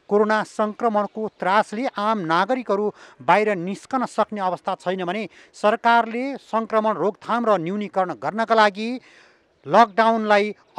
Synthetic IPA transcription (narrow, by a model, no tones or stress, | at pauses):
koɾonasʌŋkrʌmʌɽkot̪rasleʔamnaɡʌɾikɦʌɾubajɾʌniskʌnʌsʌkneʌbʌst̪ʰat͡sʰʌjnʌbʱʌne | sʌrkarlesʌŋkrʌmʌɳroɡt̪ʰamrʌnjuwnikʌɾʌɳ̃ɡʌrnʌkalaɡi | lʌk̚ɖawnlaj